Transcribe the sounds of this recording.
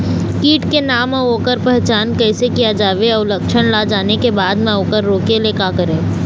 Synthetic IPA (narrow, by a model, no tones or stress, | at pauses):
kiːʈkenaːmaoːkəɾpɛɦt͡ʃaːnkɛɪsekijad͡ʒaːʋeɐːʊlɐkʃəñlad͡ʒaːnekebaːd̪mẽoːkəɾːoːkeleːkaːkəɾẽː